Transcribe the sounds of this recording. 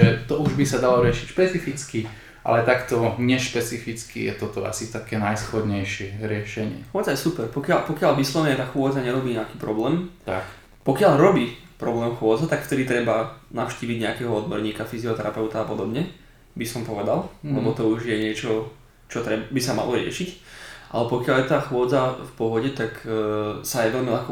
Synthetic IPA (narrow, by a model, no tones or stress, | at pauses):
ɛt̪ɔuʒbisad̪alɔɾɪɛʃicʃpɛt͡sifit͡ski | ʔa̰lɛt̪akt̪ɔɲɛʃpɛt͡sifit͡skḭjɛ̰t̪ɔt̪ɔʔa̰sit̪akɛːnajsxɔd̪ɲɛjʃɪɛɾɪɛʃɛɲɪɛ̰xʊɔːd͡zajɛsupɛɾpɔkɪalpɔkɪaʎʋislɔʋɛɲɛt̪axʊɔd͡zaɲɛɾɔbiːɲɛakiːpɾɔblɛːmt̪ak | pɔkɪaʎɾɔbiːpɾɔblɛːmxʊɔd͡zɛt̪akft̪ɛd̪it̪ɾɛbanaʊʃciːʋiɟɲɛakɛːɦɔɔd̪̚bɔɾɲiːkafiziɔt̪ɛɾapɛʊt̪aːpɔd̪ɔbɲɛ | bisɔmpɔʋɛd̪alˠlɛbɔt̪ɔuʒjɛɲɪɛt͡ʃɔ | t͡ʃɔt̪ɾɛbisama̰lʔɔɾɪɛ̰ʃicʔalɛpɔkɪaljɛt̪aːxʊɔd͡zafpɔɦɔɟɛt̪ak | sajɛʋɛlmilaxkɔ